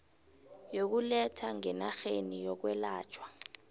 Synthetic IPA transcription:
jok̬ulɛtʰaŋɛnaxenijɔk̬wɛlaːt͡ʃʰʼwa

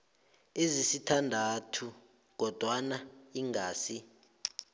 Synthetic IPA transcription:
ezisitʰandʱatʰu | ɡ̥ʱɔd̥ʱwanaiŋɡʱaːsi

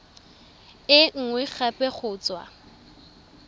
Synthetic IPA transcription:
ɪŋ̩ŋwɛk͡xapʼɛχʊːt͡swa̰

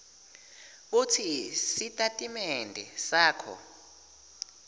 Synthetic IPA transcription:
ɓ̬utʰisitʼatʼimɛndʱɛsaːkʰɔ̰

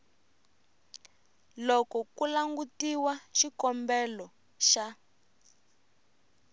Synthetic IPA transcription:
lɔkɔkulaŋɡutiwaʃikɔmbɛlɔ | ʃa

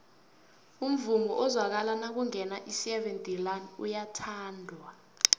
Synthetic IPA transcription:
um̩vumɔʔɔzwak̬alanak̬uŋɛnaʔisɛvɛntʼilanṵjatʰaːndʱwa

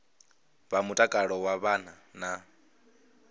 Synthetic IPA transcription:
βamutʼakʼaɺɔwaβan̤a | na

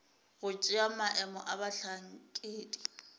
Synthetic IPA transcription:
ɣʊt͡ʃʼɪamaʔɛmɔʔabaɬaŋ̩kʼeːdi

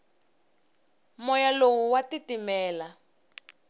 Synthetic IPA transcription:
mɔjalowuwatitimɛːla

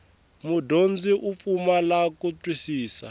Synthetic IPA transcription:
mudond͡ziʔup̪fumalakutwisiːsa̰

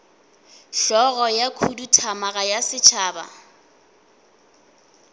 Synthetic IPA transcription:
ʃɔɣɔjakʰudutʰamaɣajasɪt͡ʃʰaːba̰

